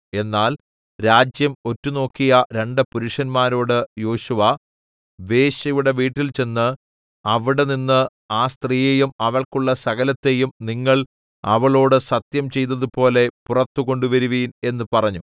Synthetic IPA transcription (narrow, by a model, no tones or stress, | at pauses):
e̞nːaːl | ɾaːd͡ʑjɐmo̞tːuno̞ːkːijɐɾe̞ɳɖɨpuɾuʂɐnmaːɾo̞ːɽɨjo̞ːɕuʋɐ | ʋe̞ːɕɐjuɽe̞ʋiːʈːilt͡ɕe̞nːɨ | ɐʋiɽeninːɨ | aːst̪riːjejumɐʋɐɭkuɭːɐsɐɣɐlɐt̪ːe̞jumniŋːɐɭ | ɐ̰ʋɐɭo̞ːɽɨsɐt̪jɐmt͡ɕe̞jt̪ːɐðupo̞ːle̞purɐt̪ːuko̞ɳɖuʋɐɾuʋiːne̞nːɨpɐrɐɲːu